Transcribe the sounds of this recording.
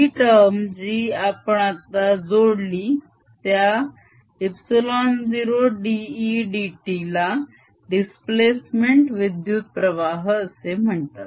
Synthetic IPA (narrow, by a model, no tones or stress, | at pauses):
iʈəɾmd͡ʑiːapɳat̪ad͡zoɽli | t̪ja | ipsilɔnd͡ziɾoɖiːɖiʈila | ɖisplesmeɳʈʋid̪jut̪̚pɾəʋaɦəsem̤əɳt̪at̪